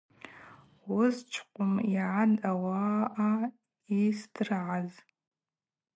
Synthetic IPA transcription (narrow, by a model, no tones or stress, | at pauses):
wʊzt͡ʃʷʰqʷʼʊmiʕadawaʔa | isdrʕaz